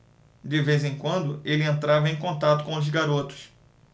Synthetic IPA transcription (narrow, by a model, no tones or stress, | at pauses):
d̪ɪvezẽkwɐ̃nd̪ʊelɪẽnt̪ɾavɐẽj̃kõnt̪at̪ʊ̥kõʊzɡaɾot̪ʊ̥s